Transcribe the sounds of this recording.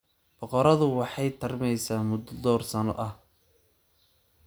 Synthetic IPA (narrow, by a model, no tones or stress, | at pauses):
b̥ɔqɔɾɐðʊwɑħɑjt̪ʰɐrmɛjsaːmʊd̪ɔd̪ɔːrsɐnɔ̰ʔɐh